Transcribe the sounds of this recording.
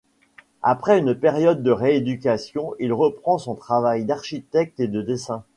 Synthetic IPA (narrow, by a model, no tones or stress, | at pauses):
a̰pχɛynpeʁjɔd̪ːəʁeed̪ykʲasjɔ̃ilʁəpχɑ̃sɔ̃t̪χavajd̪aʁʃit̪ɛk̚t̪ed̪əd̪esɛ̃